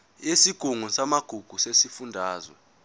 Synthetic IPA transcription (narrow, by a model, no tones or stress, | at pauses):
esiɡ̥ʱuŋusamaɡ̥ʱuɡ̥ʱusesifundʱaːzwɔ̰